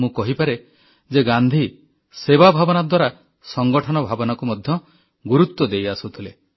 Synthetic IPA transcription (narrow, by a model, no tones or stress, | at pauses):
mũkɔɦipaɾe | d͡ʒeɡand̪ʱi | sebabʱabɔnad̪waɾa | sɔŋɡɔʈʰɔnɔbʱabɔnɔkumɔd̪ʱjɔ | ɡuɾut̪wɔd̪ejasut̪ʰile